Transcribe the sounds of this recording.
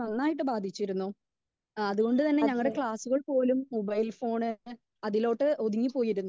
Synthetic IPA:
ɐnːaːjiʈ̬ːɨbaːd̪ʱit͡ɕːiɾunːu | ɐðuɣo̞ɳɖɨt̪ɐnːe̞ɲɐŋːɐɭɽe̞kɭaːsuɣɐɭpo̞ːlumːobɐjlfo̞ːɳɨ | ɐðilo̞ːʈːɨʔod̪iŋːipːo̞ːjiɾunː

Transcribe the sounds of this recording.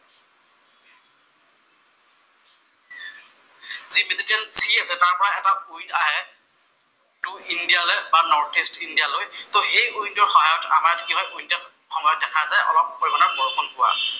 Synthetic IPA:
zimetitɛnsiasɛtaɹpɔɹaɛtaujnaɦɛ | tuindijalɔjbanɔɹtistindijalojtoxejujntɔɹxɔɦajɔta̰maɹtʰikiɦɔjʔujntat | xɔŋɡadɛkʰazajʔɔ̰lɔp̚ːɔjbɔnakoɹɔkɔnkʊwa̰

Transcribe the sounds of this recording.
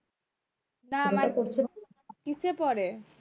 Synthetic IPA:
namaɾkoɾt͡ɕʰe | kit͡ɕʰepɔɾe

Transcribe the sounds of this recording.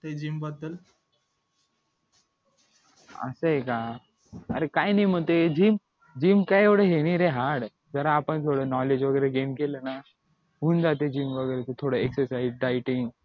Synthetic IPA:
t̪ed͡ʑiːmbəd̪əl | ə̰səɦeka | ə̰ɾekajnaim̤əɳt̪ed͡ʑiːm | d͡ʑiːmkajekɽeɦeɽ̃iɾeɦaɽ | d͡zəɾaːpəɳt̪ʰoɽənɔled͡ʑʋəɡəjɾeɡenkeləna | ɦuːnd͡zat̪ed͡ʑiːmʋəɡəjɾet̪et̪ʰoɽəeksəɾsaizɖajʈiŋɡ

